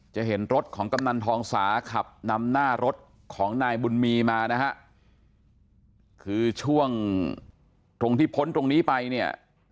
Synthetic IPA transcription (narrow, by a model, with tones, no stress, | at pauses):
t͡ɕa˨˩ɦe˩˦nɾo˦˥t̪̚kʰɔː˩˦ŋka˧mna˧nt̪ʰɔː˧ŋsaː˩˦kʰa˨˩p̚na˧mnaː˥˩ɾo˦˥t̪̚ | kʰɔː˩˦ŋnaː˧jbu˧nmiː˧maː˧na˦˥kʰa˦˥ʔ | kʰɯː˧t͡ɕʰu˥˩əŋ | t̪ɾo˧ŋt̪ʰiː˥˩pʰo˦˥nt̪ɾo˧ŋniː˦˥pa˧jni˥˩ɐ